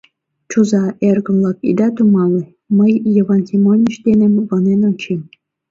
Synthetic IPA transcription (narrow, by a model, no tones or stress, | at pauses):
t͡ɕuzɑerɡɤ̆mlˠɑkḭd̪ɑt̪umɑlʲe | məjːɤ̆vɑnsʲimonʲiʃd̪enʲɘ̆mvɤ̆nenonʲt͡ɕim